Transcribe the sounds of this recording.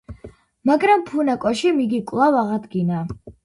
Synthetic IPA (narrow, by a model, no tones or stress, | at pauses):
maɡɾampʰunakʼɔʃimiɡikʼlˠavaʁad̪ɡina